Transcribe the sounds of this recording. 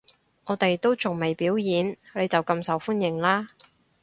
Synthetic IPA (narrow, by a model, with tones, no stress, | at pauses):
ŋʔɔː˨˧t̪e˨jt̪o˥wt͡sʊ˨˩ŋme˨˩jpiː˨˥wjiː˨˧nle˨˧jt͡sɐ˨wkɐ˧msɐ˨wfu˥njɪ˨ŋlaː˥